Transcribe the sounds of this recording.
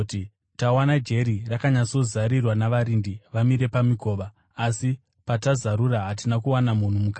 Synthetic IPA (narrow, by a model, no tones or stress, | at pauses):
ti | tawanad͡ʒe̞ɾirakaɲat͡so̞zaɾirwanaʋaɾindiʋamiɾe̞pamiko̞ːʋaː | si | patazaɾuraɦatinakuwanamun̤umukaː